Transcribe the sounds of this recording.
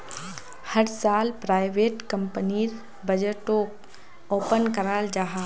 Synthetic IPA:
hɐɾsaːlpɾaːɪʋeːʈkɐ̃mpəniɾ | bɐd͡ʒəʈoːk | oːpənkɐɾaːld͡ʒaːɦaː

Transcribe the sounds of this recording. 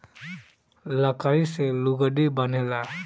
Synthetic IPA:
ləkaɾiseluɡəɖibʌnela

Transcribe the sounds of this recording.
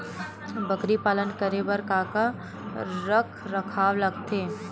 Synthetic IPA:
bəkɾipaːlənkəɾeʋɐɾkaːka | ɾəkʰɾɐkʰaːʋlɐɡt̪ʰeː

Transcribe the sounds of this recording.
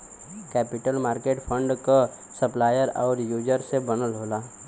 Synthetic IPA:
kɛːpɪʈəlmaːɾkeːʈpʰə̃ɳɖko | səplaːjəɾɔːɾjuːd͡ʒəɾsebənəlɦoːlaː

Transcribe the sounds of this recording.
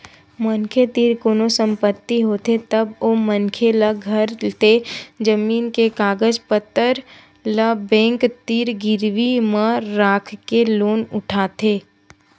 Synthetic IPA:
mənkʰet̪iːɾkoːnosə̃mpət̪ːiɦoːt̪et̪ɐbomənkʰeləɡʱɐɾt̪ed͡ʒəmiːnkekaːɡəd͡ʒpət̪ːəɾ | ləbɛ̃ːŋkt̪iːɾɡɪɾʋimãɾaːkʰkeloːnʊʈʰaːt̪eː

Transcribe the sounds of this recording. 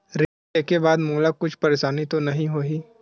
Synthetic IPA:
ɾe | ekebaːd̪muːlakʊt͡ʃʰpɐɾeːʃaːnit̪onɐɦĩɦoːiː

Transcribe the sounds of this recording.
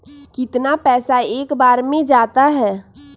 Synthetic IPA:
kɪt̪napɛːsaeːkbaːɾmẽd͡ʒaːt̪aɦɛː

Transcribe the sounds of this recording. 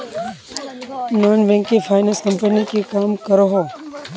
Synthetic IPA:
noːnʋɛ̃ːŋkefaːɪnə̃nskəmpənikʰeːkaːmkəɾoɦoː

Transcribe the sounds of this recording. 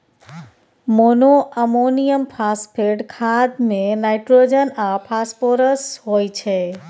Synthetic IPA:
monoʔəmonijəmpʰaspʰeɖkʰad̪mẽnajʈɾod͡ʒənapʰaspoɾəsɦojt͡ʃʰe

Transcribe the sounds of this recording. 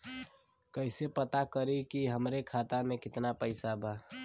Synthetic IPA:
kəɪsepət̪akəɾikiɦəmɾekʰat̪amẽkɪt̪napəɪsabʱaː

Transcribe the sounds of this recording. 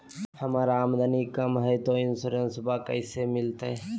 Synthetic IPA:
hɐmaːɾaːmd̪ənikəmɦɛt̪oɪnsuɾensʊbakɐɪsemɪlt̪aɦe

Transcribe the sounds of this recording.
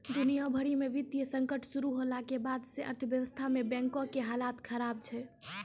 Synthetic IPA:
d̪unijabʱəɽimeʋit̪ijəsə̃ŋkəʈʰsuɾuɦolakebad̪seʔə̰ɾt̪ʰʋjəʋəst̪ʰamebɛ̃ŋkokeɦalat̪kʰəɾab̚t͡ʃʰɛ

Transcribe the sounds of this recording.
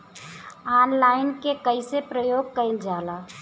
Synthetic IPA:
aːnlaːɪnkekəɪsepɾəjoːɡ̚kəɪnd͡ʒaːlaː

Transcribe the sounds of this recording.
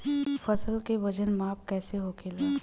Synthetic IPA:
fɐsəlkeʋɐd͡ʒənmaːpkɛːseɦoːkʰeleː

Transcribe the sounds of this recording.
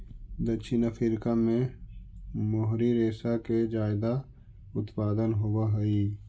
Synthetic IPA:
d̪ət͡ʃʰinafʰɪɾkamẽ | moɦɾiɾeːsaked͡ʒaːɪd̪a | ʊt̪paːd̪ənɦowaɦəi

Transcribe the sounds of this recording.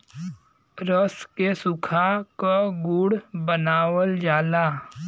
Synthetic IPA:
ɾəskesʊkʰakaɡʊɽbənaːwəld͡ʒaːlaː

